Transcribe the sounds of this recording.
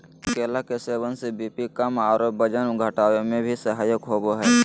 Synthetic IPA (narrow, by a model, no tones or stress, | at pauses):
keːlakeseːwənsebiːpikəmaːɾoːp̚bəd͡ʒənɡʱəʈaːwemẽbʱisəɦaːjəkɦoːboɦɛː